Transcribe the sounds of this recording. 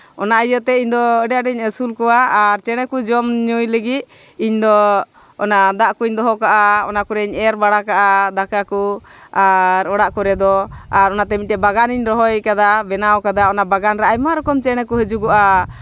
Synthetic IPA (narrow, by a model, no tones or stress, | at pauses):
ɔnaʔəjɔt̪ɛiɲd̪ɔəɖaʔɖɛɲəsulkɔwaːɾt͡ʃɛɽ̃ɛkud͡ʒɔmɲujləɡit̪̚ | iɲd̪ɔ | ɔnad̪aʔkuɲd̪ɔɦɔkaʔaɔnakuɾɛɲɛɾbaɽakaʔad̪akakuaɾɔɽaʔkɔɾɛd̪ɔaɾɔnat̪ɛmiʈɛbaɡaniɲɾɔɦɔjkad̪abɛnawkad̪aɔnabaɡanɾɛajmaɾɔkɔmt͡ʃɛɽ̃ɛkuɦəd͡ʒuɡɔʔa